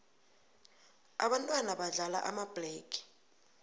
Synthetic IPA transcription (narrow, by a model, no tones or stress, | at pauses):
aɓantʼwanaɓaɮala̰ʔamab̥lɛːkʰʼi̥